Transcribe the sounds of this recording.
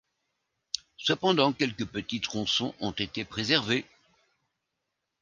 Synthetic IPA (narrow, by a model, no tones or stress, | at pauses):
səpɑ̃d̪ɑ̃kʲɛlkəpət̪it̪ʁɔ̃sɔ̃ʔɔ̃t̪et̪epχezɛʁve